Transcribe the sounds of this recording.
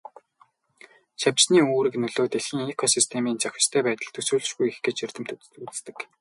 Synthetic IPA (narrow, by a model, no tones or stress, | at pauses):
ʃaw̥t͡ɕniːoːɾɘ̆knɵɮoːt̪eɮxiːŋekʰɔsist̪ʰemiːnt͡sax̆ʲt͡ɕt̪ʰæːpæːt̪ə̆ɮt̪ʰɵsuːɮɘ̆ʃɡujexɡeːt͡ɕer̥t̪ɘ̆m̥t̪ | ut͡s̆t̪ɘ̆k